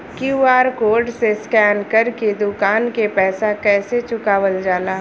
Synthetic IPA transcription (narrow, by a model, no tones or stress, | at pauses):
kjuːaːɾkoːɾɖseskɛːnkəɾked̪ʊkaːnkepɛːsakɛːset͡ʃʊkaːʋəld͡ʒaːlaːɦ